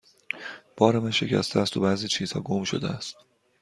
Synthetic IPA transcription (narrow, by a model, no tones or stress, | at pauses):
b̥ɒːɾemænʃe̞cʰæ̰st̪eæst̪ʰobæːziːt͡ʃʰiːz̥hɒ̰ːɡo̞mʃo̞̰d̪eæst̪